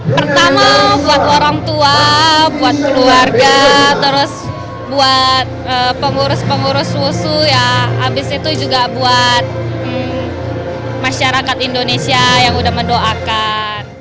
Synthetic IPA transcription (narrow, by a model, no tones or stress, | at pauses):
pərt̪amabuat̪oɾaŋt̪uabuat̪̚kəluarɡat̪əɾʊs | buat̪̚əpəŋuɾʊspəŋuɾʊswusujaabɪsit̪ud͡ʒuɡabuat̪̚ | maʃaɾakat̪indonesiajaŋudahməndoʔaka | n